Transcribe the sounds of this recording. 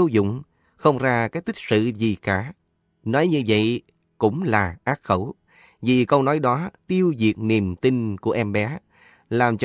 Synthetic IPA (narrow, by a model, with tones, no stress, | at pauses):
ə˨˦zʊ̰˧˨ŋ͡m | xə˧wŋ͡mzaː˧kaː˨˥k̚t̪ï˦˥k̟̚sɨ̰˧˨zi˨˩kaː˧˩ | nɔ˨˦jɲɨ˧və̰˧˨j | kʊ̰˧˥ŋ͡mlaː˨˩ʔaː˦˥t̚xə˧˩w | vi˨˩kə˧wnɔ˨˦jɗɔ˨˦t̪i˧əwzi˨˩ək̚ni˨˩mt̪i˧nku˧˩əʔɛ˧mɓɛ˨˦ | laː˨˩mt͡ɕ